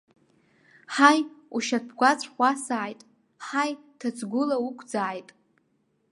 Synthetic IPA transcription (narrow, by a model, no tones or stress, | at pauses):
ħajuʃat̚pʰɡʷat͡sʷʰʼχʷasaːjtʼ | ħajtʰat͡sʰʼɡʷʊlaukʷʰd͡zaːjtʼ